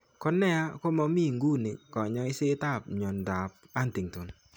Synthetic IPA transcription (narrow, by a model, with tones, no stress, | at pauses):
kɔ˦nɛ˦a˦ko˦mɔ˦mi˦˨ŋɡu˦nɪ˨kɔ˨ɲɔ˦ɪ˦sɪ˦ta˦˨p̚ɲo˨nda˨p̚ | a˦nti˨ŋto˨n